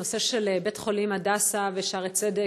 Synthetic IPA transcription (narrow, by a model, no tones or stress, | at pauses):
oseʃelebet̪χo̞limadasaveʃaʁet͡sede